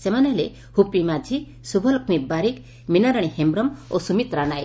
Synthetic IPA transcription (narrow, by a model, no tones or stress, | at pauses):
semaneɦle | hupimad͡ʒʱi | subʱɔlukmibaɾik | minaɾaɽ̃ihembɾɔmosumit̪ɾanaj